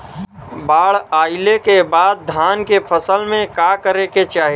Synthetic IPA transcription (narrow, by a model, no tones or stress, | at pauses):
baːɽaːɪlekebaːd̪̚ːʱaːnkepʰəsəlmẽkakəɾeket͡ʃaːɦi